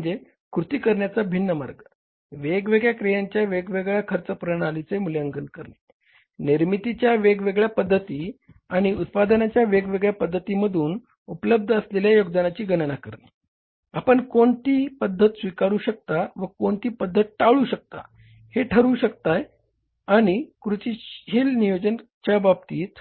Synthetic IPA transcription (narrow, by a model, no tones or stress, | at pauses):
əd͡ze | kɾut̪iːkəɾɳjat͡sabʱinːəma̰ɾɡ | ʋeɡʋeɡɭjakɾijaɲt͡ɕjaʋeɡʋeɡɭjakʰəɾt͡səpɾəɳ̃alit͡semuljəŋɡənkəɾne | niɾmit̪it͡ɕjaʋeɡʋeɡɭjapəd̪ʱːət̪iː | aɽ̃iut̪̚pad̪ənat͡ɕjaʋeɡʋeɡɭjapəd̪ʱːət̪iməd̪ʱuːn | upləb̚d̪ʱəəsleljajoɡd̪anat͡ɕiːɡənnakəɾne | apəɳkoɳt̪iːpəd̪ʱːət̪sʋikaɾuːɕək̚t̪aʋəkoɳt̪iːpəd̪ʱːət̪̚ʈaʋɭuːɕək̚t̪a̰ | heʈʰəɾuːɕək̚t̪aj | aɽ̃ikɾut͡ɕihilnijod͡ʑənt͡ɕjababt̪iːt̪